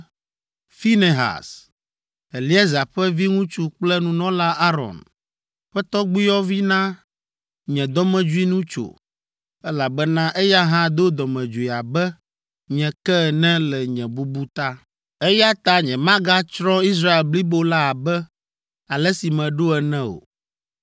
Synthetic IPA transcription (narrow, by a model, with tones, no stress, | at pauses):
fi˦ne˨ɦa̰˨s | ɛ˨li˦ɛ˦za˨ɸɛ˦vi˦ŋũ˦t͡ʃu˦k͡plɛ˦nũ˦nɔ̃˦la˦ʔa˦ɾɔ̰̃˨n | ɸɛ˦t̪ɔ˦ɡ͡bi˦jɔ˦vi˦nã˦ | ɲɛ̃˨d̪ɔ˦mɛ̃˨d͡ʒu˦i˦nũ˦t͡ʃo̰˨ | ɛ˦la˨bɛ˦nã˦ʔɛ˦ja˦ɦã˦d̪o˦d̪ɔ˨mɛ̃˨d͡ʒu˨i˨a˨bɛ˦ | ɲɛ̃˨kɛ˦˨nɛ̃˦lɛ˨ɲɛ̃˨bu˦bu˦t̪a˦ | ɛ˦ja˦t̪a˨ɲɛ̃˨mã˦ɡa˦t͡ʃɾɔ̃˦i˦s̬ɾa˦e˨lbli˦bo˦la˦a˨bɛ˦ | a˨lɛ˦si˨mɛ̃˨ɖo˦ɛ˨nɛ̃˦o̰˨